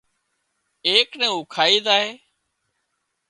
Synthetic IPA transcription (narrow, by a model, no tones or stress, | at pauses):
eːknɛ̃ːuʊːkʰaːiːd̪aːɦeː